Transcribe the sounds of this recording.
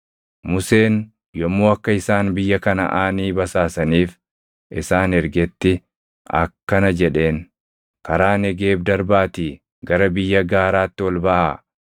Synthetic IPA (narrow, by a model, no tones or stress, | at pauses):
mʊse̞ːn | jɔmːoːɐkːɐɪsaːnbɪjːɐkɐnɐ̰ʔaːniːbɐsaːsɐniːf | ʔɪsaːnɛɾɡɛt̪ːɪ | ɐ̰kːɐnɐd͡ʒɛᶑe̞ːŋ | kɐɾaːnɛɡe̞ːbd̪ɐɾbaːt̪iː | ɡɐɾɐbɪjːɐɡaːɾaːt̪ːɪwɔlbɐʔaː